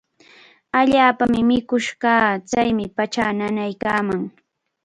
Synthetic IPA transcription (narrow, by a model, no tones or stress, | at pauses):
aʎaːpamɪmɪkʊʃɢɑːt͡sajmɪpat͡ʃaːnanajkaːmaŋ